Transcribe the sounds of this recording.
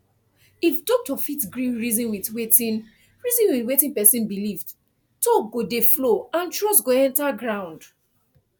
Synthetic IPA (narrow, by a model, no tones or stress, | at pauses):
ifdɔk̚tɔfitɡɹĩɹizĩnwitwetĩn | ɹizĩnwitwetĩnpɛsĩnbilivd | toɡodefloãntɹɔstɡoɛ̃ntaɡɹãʊ̃nd